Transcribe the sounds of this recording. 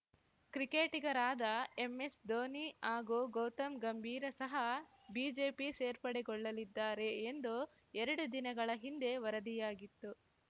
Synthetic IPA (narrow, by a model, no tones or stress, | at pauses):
kɾike̞ːʈiɡɐɾaːd̪ɐemːe̞sd̪oːniaːɡuːɡoːt̪ɐmɡɐmbʱiːɾɐsɐɦɐ | biːd͡ʒe̞ːpiseːɾpɐɽeɡɔɭːɐlid̪ːaːɾe̞ːnd̪u | ɛɾɐɽud̪inɐɡɐɭɐɦind̪e̞ʋɐɾɐd̪ijaːɡit̪ːu